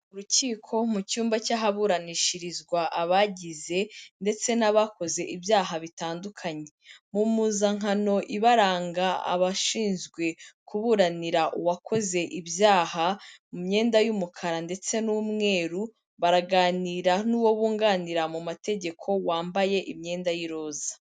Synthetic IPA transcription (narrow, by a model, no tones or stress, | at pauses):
uɾuciːkʰo̞mucuːmbacaɦaβuɾaniʃiɾizɡwaʔaβaɟize̞nde̞t͡se̞naβako̞ze̞ʔibjaːɦaβitaːndukʰaɲe̞mumuzaŋano̞ʔiβaɾaːŋɡaa̰βaʃiːnzɡwe̞kuβuɾaniɾaʔuwakʰo̞ze̞ʔibjaːhamumɲe̞ːndajumukʰaɾande̞t͡se̞numŋe̞ːɾu | βaɾaɡaːniɾanuːwo̞βuːŋɡaːniɾamumate̞ɟe̞kʰo̞waːmbaje̞ʔimɲe̞ːndajiɾo̞ːzḁ